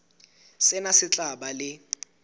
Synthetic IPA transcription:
sɪnasɪt͡ɬʼaɓalɪ

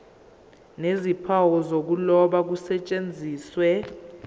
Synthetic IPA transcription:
nezipʰawɔzok̬ulɔɓak̬usɛt͡ʃʼend͡zʱiːswɛ

